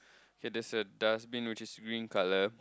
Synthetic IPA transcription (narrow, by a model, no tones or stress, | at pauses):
okedɛsədasbĩnwit͡ʃisɡɹĩnkalə